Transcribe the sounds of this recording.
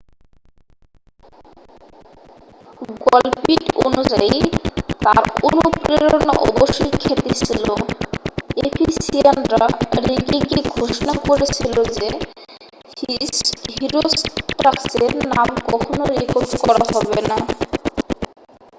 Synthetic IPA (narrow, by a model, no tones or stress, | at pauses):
ɡɔlpiʈonud͡ʑait̪a̰ɾonupɾeɾona̰ʔɔ̰boʃojkʰet̪et͡ɕʰilo | epʰisianɾaɾiɡiɡiɡʱoʃonakoɾet͡ɕʰilod͡ʑe | ɦiɾosʈʈɾakseɾnamkɔkʰonoɾekoɾɖkɔɾaɦɔbena